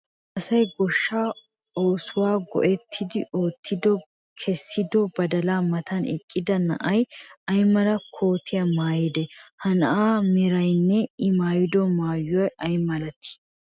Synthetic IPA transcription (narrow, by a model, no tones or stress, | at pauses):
ʔɐsɐjɡɔʃːaː | oːsʊwaːɡɔ̰ʔɛt̪ʰːɪd̪ɪoːt̪ʰːɪd̪ɔ | kʰɛsːɪd̪ɔbɐd̪ɐlaːmɐt̪ʰɐnɪ̰kʼːɪd̪ɐnɐ̰ʔɐjɐjmɐlɐkʰo̞ːt̪ʰɪjɐmaːjɪd̪ɛhɐnɐʔaːmɪɾɐjnːɛɪmaːjɪd̪ɔmaːjːʊwɐjɐjmɐlɐt̪ːɪ̥